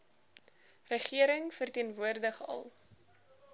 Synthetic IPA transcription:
rəχiəɾəŋfərtiənvuərdəχɐ̰lˠ

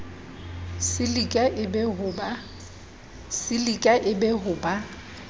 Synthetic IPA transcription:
sɪlikʼaʔɪbɛhʊba | sɪlikʼaʔɪbɛɦʊːba

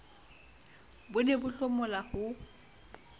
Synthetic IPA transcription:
bʊnɛbʊɬɔmɔlahʊ

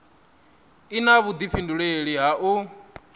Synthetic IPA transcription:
inaβud̪ifinduɺeɺiɦaʔu

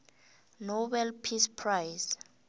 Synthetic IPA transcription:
nobɛlpʰispʰrajs

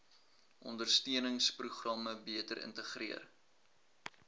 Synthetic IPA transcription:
ʔɔ̰ndərstiənəŋspruχrɑməbiətəɾʔə̰ntəχriər

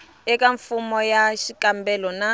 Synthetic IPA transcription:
ɛkaɱfumɔjaʃikambɛlɔna

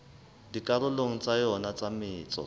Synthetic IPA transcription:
dikʼarʊloŋ̩t͡sʼajɔnat͡sʼamɪːt͡sʼɔ̰

